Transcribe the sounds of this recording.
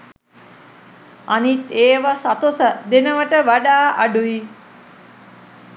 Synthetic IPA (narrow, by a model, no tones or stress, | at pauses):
anit̪eːʋasat̪osəd̪enəʋəʈəʋaɗaːʔaɖui